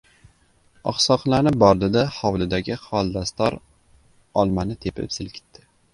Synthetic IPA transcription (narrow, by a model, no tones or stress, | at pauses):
ɒ̰χsɒqlˠanɪp̚bɒɾd̪ɪd̪ahɒwlɪd̪aɡʲɪχɒlˠd̪ast̪ɒɾ | ɒlˠmanɪt̪ʰepʰɪ̰psɪlkʲʰɪ̥t̪ʰːɪ